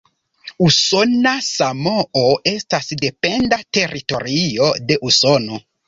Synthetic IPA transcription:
uso̞nasamooe̞stasde̞pe̞ndate̞ɾito̞ɾio̞de̞ʔuso̞no̞

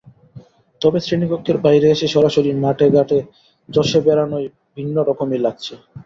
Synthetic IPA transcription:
t̪ɔbesɾinikokʰːeɾbajɾeeʃeʃɔɾaʃoɾimaʈeɡaʈe | d͡ʑɔʃebɛɾanoj | bʱinːoɾɔkomilaɡ̚t͡ɕʰe

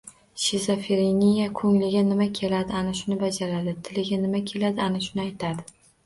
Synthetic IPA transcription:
ʃezafeɾenijakʲʰɵŋlɪɡʲanɪmakʲʰe̞lad̪ɪanɪʃʊnɪbad͡ʒaɾad̪ɪt̪ʰɪlɪɡʲanɪmakʲʰe̞lad̪ɪanɪʃʊnɪajt̪ʰad̪ɪ

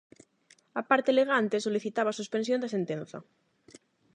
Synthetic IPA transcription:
apaɾt̪eleɣant̪eso̞liθit̪aβasuspensjond̪asent̪ẽnθa̰

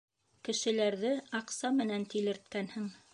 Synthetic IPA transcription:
kɘ̆ʃɘ̆læɾðɘɑqsɑmɘ̆nænt̪ilɘ̆ɾt̪̚kænhɘŋ

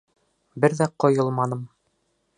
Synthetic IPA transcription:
bɘɾðæqŏjɤlˠmɑnɤ̆m

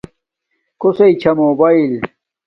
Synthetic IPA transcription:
kosɐit͡ɕʰɐmoːbail

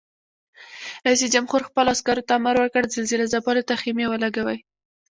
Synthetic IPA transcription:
ajs̬id͡ʒamxoɾxpəlɑskɑɾot̪aːmaɾwəɾkəɽzalzilazapɑlot̪aximewəlaɡawəj

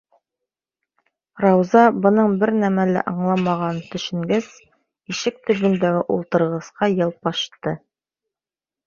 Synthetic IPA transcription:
rɑwzɑbɤ̆nɤɴbɘɾnæmælæ̰ʔɑɴlˠɑmɑʁɑnt̪ɵ̆ʃɘ̆ŋɡæz | iʃɘk̚t̪ɵ̆bɵ̆nd̪æɡɘʔulˠt̪ɤ̆ɾʁɤ̆sqɑjɤlˠpɑʃt̪ɤ

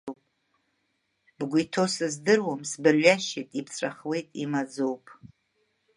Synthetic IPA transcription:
p | bɡʷʊjtʰo̞sɨzdɨrwamsbɨrɥaʃitʼipʰt͡sʷʼaχwe̞jtʼimad͡zowpʼ

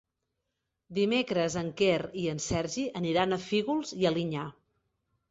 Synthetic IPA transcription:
d̪imekɾəzəŋkeriənsɛɾʒiʔəniɾanəfiɣulˠziəliɲa

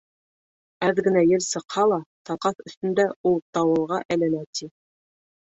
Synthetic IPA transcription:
æðɡɘ̆næjɘɾsɤ̆qhɑlˠɑt̪ɑqɑθɵ̆θt̪ɵ̆nd̪æulˠt̪ɑwɤ̆lˠʁɑʔælænæt̪ʰi

